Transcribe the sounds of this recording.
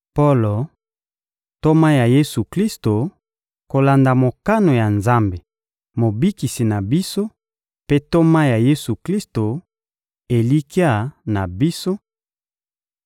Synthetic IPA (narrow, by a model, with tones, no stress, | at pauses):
po˦lo˨ | to˦ma˦ja˨je˦su˨kli˦sto˨ | ko˨la˨nda˨mo˨ka˦no˨ja˨nza˦mbe˨ | mo˨bi˦ki˨si˨na˨bi˦so˦ | pe˦to˦ma˦ja˨je˦su˨kli˦sto˨ | e˨li˦ki˦a˦˨na˨bi˦so˦